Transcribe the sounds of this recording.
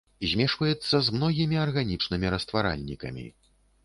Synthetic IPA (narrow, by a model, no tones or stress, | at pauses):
zʲmʲɛʂvɐjɛt̪sːɐzmnɔɣʲimʲiɐrɣanʲit͡ʂnɨmʲiɾɐst̪vaɾa̰lʲnʲikɐ̰mʲḭ